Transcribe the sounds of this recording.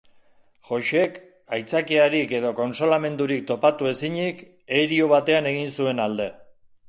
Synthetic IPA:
ʝo̞ʃe̞k | ajt͡sakeaɾike̞ð̞o̞ko̞nso̞lame̞nd̪uɾik̚t̪o̞pat̪ue̞siɲik | e̞ɾioβ̞at̪e̞ane̞ɣ̞insue̞nald̪e̞

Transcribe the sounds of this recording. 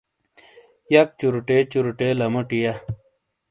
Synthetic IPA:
jɐk̚t͡ɕuɾuʈet͡ɕuɾuʈelɐmoʈija

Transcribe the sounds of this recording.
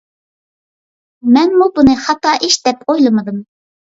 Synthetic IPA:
mɛnmubunɨhɑt̪ɑːʔiʃd̪ɛpʰojlˠɨmɨd̪ɨm

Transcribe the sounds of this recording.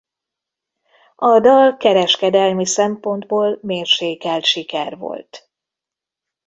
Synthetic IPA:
ɒd̪ɒlkɛɾɛʃkɛd̪ɛlmisɛmpo̞nd̪boːlmeːrʃeːkɛlʃikɛrvo̞̰lt̪

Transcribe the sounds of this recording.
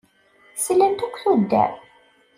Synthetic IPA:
səlːənt̪ækʷːθud̪ːæ̰

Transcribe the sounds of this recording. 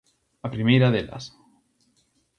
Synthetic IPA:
apɾimejɾaðela̰s

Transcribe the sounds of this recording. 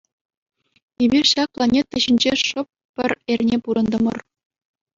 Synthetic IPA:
ebʲirʲɕɑk̚plˠɑnʲet̪ːɘ̆ɕinʲd͡ʑeʂɤ̆p̚ʲːɘ̆rʲerʲnʲepuɾɤ̆nd̪ɤ̆mɤ̆r

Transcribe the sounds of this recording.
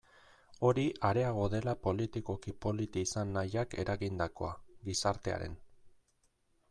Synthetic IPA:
o̞ɾiʔaɾe̞aɣ̞o̞ðe̞lapo̞lit̪iko̞kipo̞lit̪iːsanːajake̞ɾaɣind̪ako̞̰aɡisaɾt̪e̞a̰ɾe̞̰n

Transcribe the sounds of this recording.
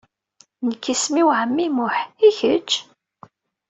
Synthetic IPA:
nəkːismiwʕəmːimʊħiçət͡ʃː

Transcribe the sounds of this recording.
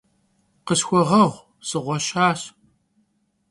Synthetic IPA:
qəsxʷɔʁɐʁʷ | sɨʁʷɔɕaːɕ

